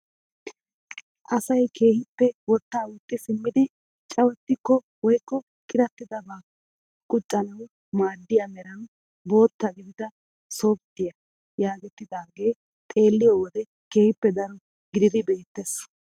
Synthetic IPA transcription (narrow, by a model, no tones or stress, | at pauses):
ʔɐsɐjkʰe̞ːhɪpːɛwɔt̪ːaːwʊt̪ʼːɪsɪmːɪd̪ɪ | t͡ʃʼɐwɛt̪ːɪkːɔ | wɔjkːɔ | kʼɪɾɐt̪ːɪd̪ɐbaː | kʼʊt͡ʃʼːɐnɐw | maːd̪ːɪjamɛɾɐn | bo̞ːt̪ːɐɡɪd̪ɪd̪ɐ | so̞ːbt̪ːɪjɐ | jaːɡɛt̪ːɪd̪aːɡe̞ː | t̪ʼe̞ːlːɪjɔwɔd̪ɛ | ke̞ːhɪpːɛd̪ɐɾɔ | ɡɪd̪ɪd̪ɪbe̞ːt̪ːes